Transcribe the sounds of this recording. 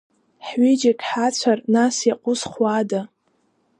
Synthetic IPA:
ħɥid͡ʒakʲʰʼħat͡ɕʷʰarnasjaqʷʼʊsχʷada

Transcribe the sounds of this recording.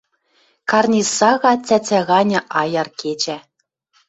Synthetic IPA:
kɑrnʲisɑɣɑt͡sʲæt͡sʲæɣɑnʲɤ̆ʔɑjɑrkʰet͡ɕæ

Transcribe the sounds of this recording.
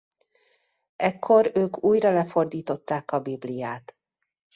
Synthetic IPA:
ɛkʰːo̞ɾøːkuːjrɒlɛfo̞rd̪iːt̪o̞t̪ːaːkɒbiblijaːt̪

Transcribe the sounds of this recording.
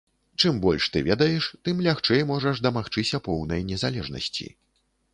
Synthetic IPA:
t͡ʂɨmbɔlʲʂt̪ɨ̰vʲɛd̪ɐjɛʂt̪ɨmlʲaxt͡ʂɛjmɔʐɐʂd̪ɐmaxt͡ʂɨsʲɐpɔwnɐjnʲɛzalʲɛʐnɐ̰sʲt͡sʲḭ

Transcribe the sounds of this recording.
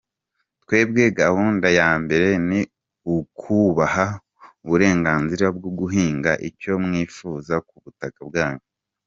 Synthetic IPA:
twe̞ːb̚ɡe̞ɡahuːndajaːmbe̞ɾe̞ni | ukʰuβaha | uβuɾe̞ːŋɡaːnziɾabɡoɡuɦiːŋɡaʔico̞mŋiːfuːzakuβutakabɡaːɲu

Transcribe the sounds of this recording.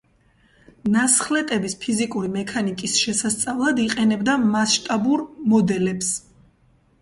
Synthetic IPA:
nasχlɛt̪ʼɛbispʰizikʼuɾimɛkʰanikʼisʃɛsast̪sʼavlˠad̪iqʼɛnɛbd̪amasʃt̪ʼabuɾmɔd̪ɛlɛps

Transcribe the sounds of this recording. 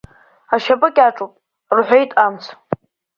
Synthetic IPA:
aʃapʼɨkʲʼaʈ͡ʂʼupʼ | rħʷᶣejtʼamt͡sʰ

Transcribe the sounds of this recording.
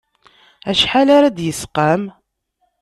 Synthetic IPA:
æʃħalaɾad̪jəsqam

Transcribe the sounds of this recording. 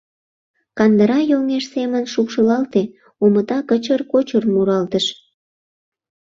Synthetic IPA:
kɑnd̪əɾɑjolŋeʃsemənʃukʃəlɑlt̪e | omət̪ɑkət͡ɕərkot͡ɕərmuɾɑlt̪əʃ

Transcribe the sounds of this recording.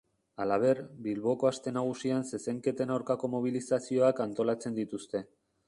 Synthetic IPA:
alaβ̞e̞ɾbilβo̞ko̞ast̪e̞naɣ̞usianse̞se̞ŋke̞t̪e̞nawɾkako̞mo̞β̞ilisasio̞akant̪o̞lat͡se̞nd̪it̪ust̪e̞

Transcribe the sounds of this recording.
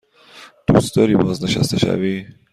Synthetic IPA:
d̪̥ust̪ɔɾibɔznəʃa̰st̪aʃa̰vi

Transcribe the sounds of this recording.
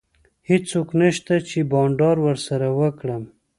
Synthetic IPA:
hɪt͡sːoknəʃt̪at͡ʃebɑɳɖɑɾwəɾsaɾawəkɽəm

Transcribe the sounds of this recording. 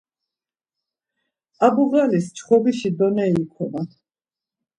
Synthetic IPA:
abuʁalist͡ʃʰχɔbiʃid̪ɔnɛikʰɔna

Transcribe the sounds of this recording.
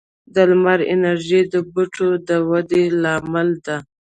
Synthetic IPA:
d̪əlmaɾɪ̰naɾʒid̪əbuʈʰod̪əwad̪elɑmɪld̪a

